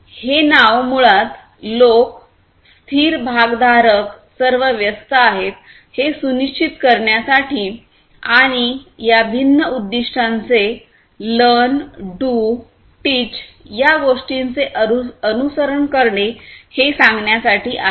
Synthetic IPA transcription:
henaʋmuɭat̪ | lok | st̪ʰiːɾbʱaɡd̪aɾəksəɾʋəʋjəst̪aaɦet̪̚ | hesuniɕt͡ɕit̪kəɾɳjasaʈʰiː | aɽ̃ijabʱinːəud̪ːiʂʈʰãnt͡se | ləɳɖu | ʈiːt͡ɕ | jaɡoʂʈint͡seʔənusəɾəɳkəɾɳehesãŋɡɳjasaʈiːʔa

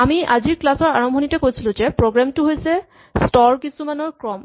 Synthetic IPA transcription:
amiaziɹklasɔɹaɹɔmbʱonitɛkojsʰilʊ̃d͡ʒɛpɹoɡɹamtuɦojsɛ | stɔɹkisumanɔɹkɹɔm

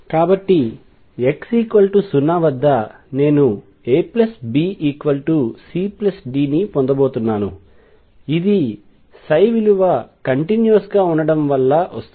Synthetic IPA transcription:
kaːbɐʈːi | eksiːkʋɐlʈusunːaːʋɐd̪ːɐne̞ːnu | eːplɐsbiːʔiːkʋɐlʈusiːplɐsɖiːnipo̞nd̪ɐboːt̪unːaːnṵ | id̪i | sɐjʋiluʋɐkɐɳʈinjusɡaːunɐɽɐmʋɐlːɐʋɐst̪

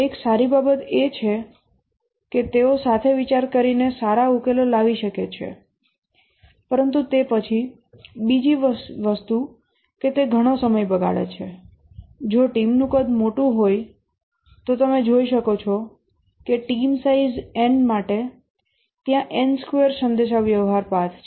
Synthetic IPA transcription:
eksaɾibabət̪et͡ʃʰe | ket̪eosat̪ʰeʋit͡ʃaɾkəɾinesaɾaukelolaʋiʃəket͡ʃʰḛ | pəɾənt̪ut̪epət͡ʃʰi | bid͡ʒiʋəst̪u | ket̪eɡʱəɽ̃osəməjbəɡa̰ɭḛt͡ʃʰe | d͡ʒoʈimnũkəd̪moʈũɦoj | t̪ot̪əmed͡ʒoiʃəkot͡ʃʰɔ | keʈimsaizenmaʈe | t̪jãʔenskejəɾsənd̪eʃ̬aʋjəʋɦaɾpat̪ʰ

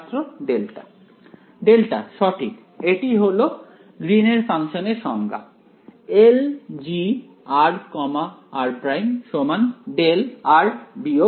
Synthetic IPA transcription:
t̪ːɾoɖelʈa | ɖelʈa̰ʃɔʈʰik | eʈiɦolo | ɡɾineɾfaŋʃoneɾʃɔŋɡa̰ | eld͡ʑi | aɾkɔmaːɾpɾajmʃomanɖelaɾbio

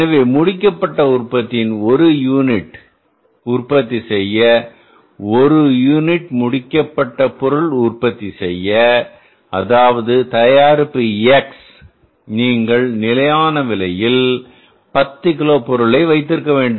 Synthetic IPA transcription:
nɐʋeːmʊɽɪkːɐpːɐʈːɐʊrpɐt̪ːɪnɔɾɯjuːnɪʈː | ʊrpɐt̪ːisɛjːɐ | ɔɾɯjunɪʈmʊɽɪkːɐpːɐʈːɐpɔɾɯɭʊrpɐt̪ːisɛjːɐ | ɐðaːʋɐðɯt̪ɐjaːɾɯpːɯɛks | niːŋɡɐɭnɪlɐjaːnɐʋɪlɐjɪl | pɐt̪ːɯkɪloːpɔɾɯɭɐɪʋɐɪt̪ːɪɾɯkːɐʋeːɳɖɯm

